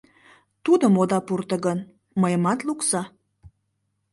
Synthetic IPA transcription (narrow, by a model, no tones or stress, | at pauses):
t̪ud̪əmod̪ɑpurt̪ə̆ɣən | məjəmɑt̪luksɑ